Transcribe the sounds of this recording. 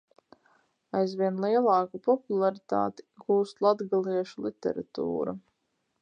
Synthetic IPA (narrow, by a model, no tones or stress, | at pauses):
ajzvʲiɛnlˠiɛlˠɑːkupɔpulˠaɾit̪a̰ːt̪i̥ɡuːst̪lˠad̪ɡalˠiɛʃulˠit̪ɛ̰ɾa̰t̪ṵːɾa̰